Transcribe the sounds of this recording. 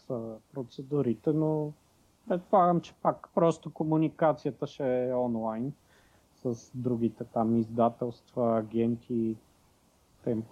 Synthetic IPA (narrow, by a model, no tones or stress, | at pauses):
səpɾot̪sɛd̪uɾit̪ɛno | pɾɛt̪̚polˠaɡəmt͡ʃɛ̥pakpɾɔst̪okomunikat̪sijət̪əʃɛɔnlˠajn | səsd̪ɾuɡ̟it̪ɛt̪amizd̪at̪ɛlˠst̪vəːɡʲɛnt̪ʰi | t̪ɛmp